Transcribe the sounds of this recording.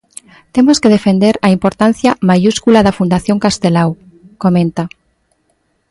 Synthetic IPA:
t̪emoskeðefend̪eɾaimpoɾt̪anθjamajuskulaðɐfund̪aθjoŋkast̪elaw | komẽnt̪a

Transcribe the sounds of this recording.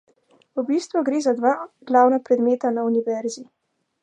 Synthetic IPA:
ubist̪ʋuɡɾeːzad̪ʋaɡ̥laːwnapɾɛd̪meːt̪anauniʋɛɾzi

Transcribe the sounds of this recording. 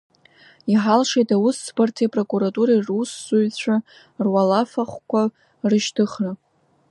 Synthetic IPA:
iħalʂejtawusːbartʰepʼro̞kʼuɾatʼuɾairusːuɥt͡ɕʷʰa | rwalafaχʷkʷa | rɨʃtʰɨχra

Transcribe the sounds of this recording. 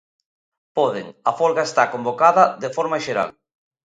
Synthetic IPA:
pɔðeŋɐfɔlɣaest̪akombokaðɐðefɔɾmaʃeɾa̰l

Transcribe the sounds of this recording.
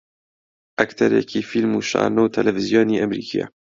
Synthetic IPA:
ʔakt̪ʰɐɾjɛ̰kʰiːfilmuːʃɑ̰ːnowt̪ʰɛlɛvɨzjoːniːʔamɾiːkʰija̰

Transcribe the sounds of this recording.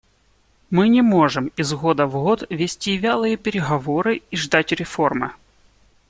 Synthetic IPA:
mɨnʲɪmo̞ʐɨmizɣo̞d̪əvɣot̪vʲɪsʲtʲivʲalˠɨjəpʲɪɾʲɪɣɐvoɾɨiʐd̪atʲɾʲɪfo̞rmɨ̰

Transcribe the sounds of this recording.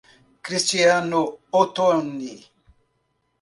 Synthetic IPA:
kɾistianoot̪onːi

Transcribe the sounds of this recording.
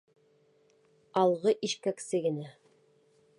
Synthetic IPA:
ɑlˠʁɤʔiʃkæksɘɡɘ̆næ

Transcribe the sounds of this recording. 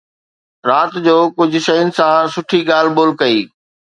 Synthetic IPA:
ɾaːt̪d͡ʑoːkʊd͡ʑʱʊ̆ʃɐjʊnɪ̆sãsʊʈʰiɠaːl̤boːlkɐiː

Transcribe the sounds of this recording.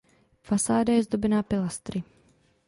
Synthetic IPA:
fasaːdajɛzd̪obɛnaːpɪlast̪ɾɪ

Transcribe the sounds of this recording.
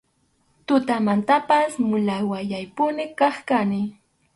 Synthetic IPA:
t̪ʊt̪amant̪apasmʊlawajajpʊnɪkɑχkanɪ

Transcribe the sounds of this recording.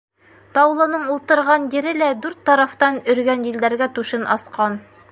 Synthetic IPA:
t̪ɑwlˠɤ̆nɤɴulˠt̪ɤ̆ɾʁɑnjɘ̆ɾɘlæd̪ʉɾt̪ːɑɾɑft̪ɑnɵ̆ɾɡænjĭld̪æɾɡæt̪ʉʃɘnʔɑ̰sqɑn

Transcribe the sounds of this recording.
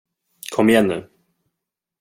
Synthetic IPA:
kʰɔmːɪjɛnːʉ̟̰ː

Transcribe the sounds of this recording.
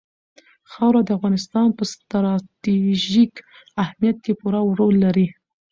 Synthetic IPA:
xɑwɾad̪əafɣɑnɪst̪ɑnpəst̪ɾɑt̪iʒik | ahmijat̪̚kepuɾawɾolːaɾi

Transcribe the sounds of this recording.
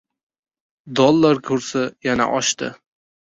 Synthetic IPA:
d̪ɒlˠːaɾkʰɵɾsajana̰ʔɒʃt̪ɪ̰

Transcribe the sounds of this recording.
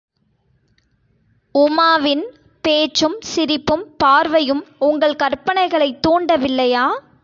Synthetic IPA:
ʊmaːʋɪn | peːt͡ʃːɯmsɪɾɪpːɯmpaːɾʋɐjɯmʊŋɡɐɭkɐrpːɐnɐɪɣɐɭɐɪt̪ːuːɳɖɐʋɪlːɐjaː

